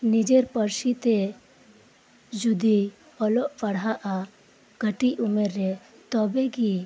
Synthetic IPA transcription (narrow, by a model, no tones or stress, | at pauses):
nid͡ʒeɾpəɾsit̪ɛ | d͡ʒud̪i | ɔlɔʔpaɽɦaʔa | ɡ̥əʈiumeɾːɛ | t̪ɔbɛɡi